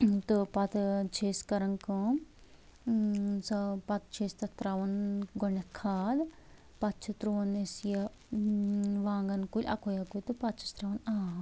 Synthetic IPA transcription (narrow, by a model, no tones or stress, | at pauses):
t̪ɨpɐt̪t͡ʃʰeːskɐɾɐŋkɨ̃ | sɐpɐt̪̚t͡ʃʰeːst̪ɐt̪ɾaʋɐnɡoɳɐkʰaːd̪ | pɐt̪̚t͡ʃʰut̪ɾuʋɐnesjɐ | ʋaːŋɡɐnkulʲʔɐ̰kʰojaːkulʲt̪ɨpɐt̪̚t͡ʃʰi̥st̪ɾaʋɐnaː